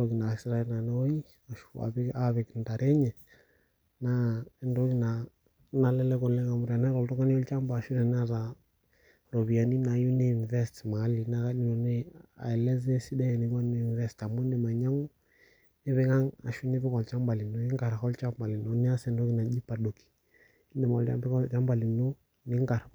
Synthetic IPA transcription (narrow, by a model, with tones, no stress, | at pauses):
ndɔ˦ki˨na˨sɾa˨ɛlna˨nɛ˦ɔ˦i˦ | a˨ʃua̰˨βɛaβɛ˨knda˨ɾɛ˦ɲɛ˨ | na˦˨ndɔ˦ki˨na | na˨lɛ˦lɛ˦kɔ˨lɛ˦ŋa˨mu˨ɾi˨a˨na˦ɾɔ˨ltɔ˦ka˦ni˦ɔ˦lt͡ʃa˦mba˨ʃu˦ɾɛ˨na˦ɾa˨ | ɾɔ˨βi˨a˨ni˦na˨ju˦ni˦nvɛ˦stma˨˦li˨na˦ka˦ɗi˦nɔ˨nɛ˦a̰˨ɛ˨lɛ˦zɛ˦si˦da˦jɛ˨ni˨˦n˦˨nvɛ˦sta˨mu˦ndɛ˨ma˨ɲa˦ŋu˦ | ni˦βɛ˦ŋa˦ŋa̰˨ʃu˦ni˦bɪ˦kɔ˨lt͡ʃa˦mba˨li˨no˨˦i˦ŋɡa˨ɾa˨kɔ˦lt͡ʃa˦mba˨li˨no˨˦ni˦a˦sɛ˨˦˨ndɔ˦ki˦˨na˨d͡ʒi˦pa˨do˨ki̥˨ | i˦ndɛ˨ma˨ɔ˨lt͡ʃa̰˦mbi˦ɔ˦t͡ʃa˦mba˨li˨no˦ | ni˦ŋka˨ɾ